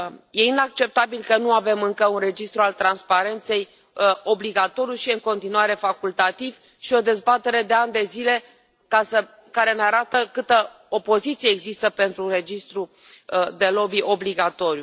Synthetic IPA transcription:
je̞inak̚t͡ʃe̞p̚t̪abilkənuave̞mɨŋkəunre̞d͡ʒist̪ɾualt̪ɾanspaɾe̞nt̪se̞j | o̞bliɡat̪o̞ɾjuʃiɨŋko̞nt̪inuaɾe̞fakult̪at̪iv | ʃio̞d̪e̞zbat̪e̞ɾe̞d̪e̞and̪e̞zile̞ | kasə | kaɾe̞neaɾat̪əkɨt̪ə | opo̞zit̪sieːɡzist̪əpe̞nt̪ɾuɾe̞d͡ʒist̪ɾu | d̪e̞lo̞biʔo̞bliɡat̪o̞ɾju

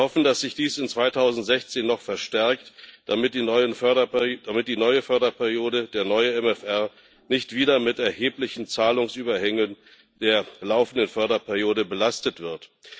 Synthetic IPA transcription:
hɔfn̩d̥asz̥ɪçd̥iːsɪnt͡sv̥aɪtʰaʊzn̩tz̥ɛçt͡seːnːɔχfɛɐʃtɛɐktd̥amɪt̚d̥iːnɔʏənfœɐɐd̥amɪt̚d̥iːnɔʏəfœɐdɐpʰɛɐʁijoːɾəd̥eːɐnɔʏəɛmɛfʔɛɐ | nɪçtv̥iːɾɐmɪtɛɐheːplɪçn̩t͡saːlʊŋsʔyːbɐhɛŋən | d̥eːɐlaʊfn̩dənfœɐdɐpʰɛɐʁjoːdəbəlastətv̥ɪɐt

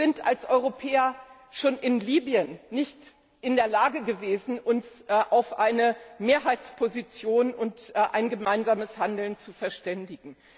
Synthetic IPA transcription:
z̥ɪnta̰lsʔɔʏʁopʰɛːɐ | ʃoːnʔɪnliːbiənːɪçt | ʔɪndeːɐlaːɡəɡəveːzn̩ʊnsʔaʊfʔaɪnəmeːɐɦaɪtt͡spʰozit͡sjoːnʊntːʔa̰ɪnɡəmaɪnzaːməshandl̩nt͡sufɛɐʃtɛndɪɡŋ̩

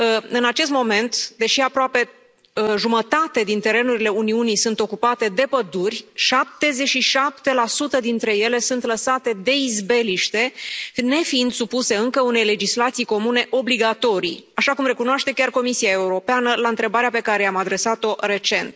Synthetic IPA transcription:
əɨnat͡ʃe̞st̪mo̞me̞nt̪d̪e̞ʃiapɾoape̞ | ʒumət̪at̪ed̪int̪e̞ɾe̞nuɾile̞uniunijsunt̪o̞kupat̪e̞d̪e̞pəd̪urʲʃap̚t̪e̞ze̞t͡ʃʃiʃap̚t̪e̞lasut̪əd̪int̪ɾe̞je̞le̞sunt̪ləsat̪e̞d̪e̞izbe̞liʃt̪e̞ne̞fiind̪supuse̞ɨŋkəune̞jle̞d͡ʒislat̪sijko̞mune̞ʔo̞bliɡat̪o̞ɾijaʃakumre̞kunoaʃt̪e̞kʲarko̞misiae̞uɾo̞peanəlaɨnt̪ɾe̞baɾeape̞kaɾe̞amad̪ɾe̞sat̪o̞ɾe̞t͡ʃe̞nt̪

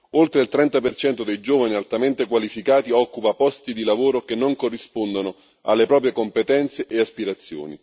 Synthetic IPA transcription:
olt̪ɾeilt̪ɾɛnt̪apert͡ʃɛnt̪od̪ejd͡ʒoːvanialt̪ament̪ekwalifikaːt̪iɔkːupapɔst̪id̪ilavoːɾok̟enːoŋkorːispond̪ono | a̰lːepɾɔːp̬ɾjekompet̪ɛnt̪seʔeaspiɾat̪sːjo̰ːnḭ

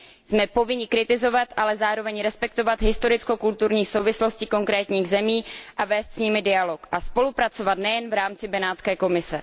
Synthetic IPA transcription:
zmɛpo̞vɪɲɪkɾɪt̪ɪzo̞vat̪ʔalɛzaːɾo̞vɛɲɾɛspɛkt̪o̞vat̪ɦɪst̪o̞ɾɪt͡sko̞kult̪uɾɲiːxsowvɪslo̞sciko̞ŋkɾɛːt̪ɲiːɣzɛmiːʔavɛːst̪sɲɪmɪdɪalo̞kʔaspo̞lupɾat͡so̞vat̪nɛjɛnvɾaːmt͡sɪbɛnaːtt͡skɛːko̞mɪsɛ

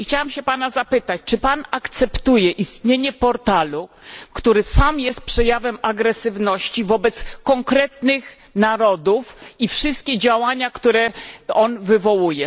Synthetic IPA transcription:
xt͡ɕawamɕɛpanazapɘt̪at͡ɕt͡ʂɘpanakt̪sɛpt̪ujɛʔist̪ɲeɲɛpɔɾt̪alu | kt̪uɾɘsamjɛst̪̚pʂɛjavɛmaɡɾɛsɘvnɔɕt͡ɕivɔbɛt̪skɔŋkɾɛt̪nɘx | naɾɔd̪ufifʂɘst̪̚kʲɛd͡ʑawaɲakt̪uɾɛɔnvɘvɔwujɛ

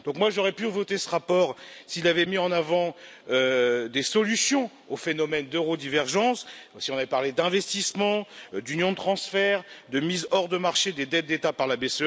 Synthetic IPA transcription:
d̪ɔ̃kmwaʒɔʁɛpyvɔt̪esəʁapɔʁsiːlavɛmiɑ̃navɑ̃ød̪esɔlysjɔ̃ | ofenɔmɛnd̪øʁod̪ivɛʁʒɑ̃ssiɔ̃navɛpaʁled̪ɛ̃vɛst̪ismɑ̃d̪ynjɔ̃d̪ət̪χɑ̃sfɛʁd̪əmizɔʁd̪əmaʁʃed̪ed̪ɛt̪̚d̪et̪apaʁlabes

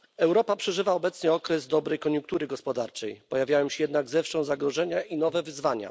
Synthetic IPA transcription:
ɛwɾɔpapʂɛʐɘvaɔbɛt̪sɲɛɔkɾɛzd̪ɔbɾɛjkɔɲuŋk̚t̪uɾɘɡɔspɔd̪aɾt͡ʂɛjpɔjavʲjawɛmɕɛjɛd̪naɡzɛfʂɔ̃w̃zaɡɾɔʐɛɲaʔinɔvɛvɘzvaɲa̰

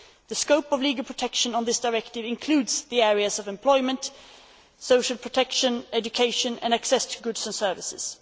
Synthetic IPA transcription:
ðɨskoʊpʌvliːɡəl̩ˠpʰɹ̥ətʰɛkʃə̃nə̃nðɪsd̥aɪɹɛktɪvɪ̃nkʰl̥ʉːdzðiɛɹiɨzʌvɛ̃mpʰl̥ɔɪmə̃nt | soʊʃl̩ˠpʰɹ̥ətʰɛkʃə̃nɛd͡ʒɨkʰeɪʃɨ̃nɨ̰̃næksɛstʰəɡʊdsə̃nsɜ˞vɪsɪ̰z̥

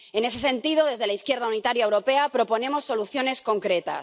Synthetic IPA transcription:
e̞ne̞s̬e̞sẽ̞nt̪iðo̞ð̞e̞zð̞e̞laiθkje̞ɾð̞aunit̪aɾjaewɾo̞pe̞apɾo̞po̞nẽ̞mo̞sːo̞luθjo̞ne̞sko̞ŋkɾe̞t̪a̰s

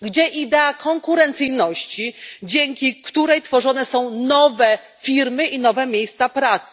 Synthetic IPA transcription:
ɡd͡ʑɛʔid̪ɛakʰɔŋkuɾɛnt̪sɘjnɔɕt͡ɕid͡ʑɛŋkʲikt̪uɾɛjt̪fɔʐɔnɛsɔ̃w̃nɔvɛ | fʲiɾmɘʔinɔvɛmʲjejst̪sapɾat̪sɘ̥

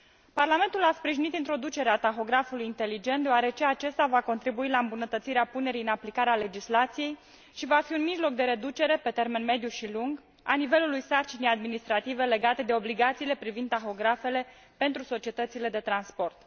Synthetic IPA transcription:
parlame̞nt̪ulaspɾiʒinit̪int̪ɾo̞d̪ut͡ʃe̞ɾeat̪axo̞ɡɾafulujint̪e̞lid͡ʒe̞nt̪d̪eoaɾe̞t͡ʃe̞at͡ʃe̞st̪avako̞nt̪ɾibuilaɨmbunət̪ət̪siɾeapune̞ɾijɨnaplikaɾeale̞d͡ʒislat̪sije̞j | ʃivafiunmiʒlo̞k̚d̪e̞ɾe̞d̪ut͡ʃe̞ɾe̞pe̞t̪e̞rme̞nme̞d̪juʃiluŋɡ | anive̞lulujsart͡ʃinejad̪minist̪ɾat̪ive̞le̞ɡat̪e̞d̪e̞o̞bliɡat̪siːle̞pɾivind̪axo̞ɡɾafe̞le̞ | pe̞nt̪ɾuso̞t͡ʃie̞t̪ət̪sile̞d̪e̞t̪ɾanspo̞rt̪

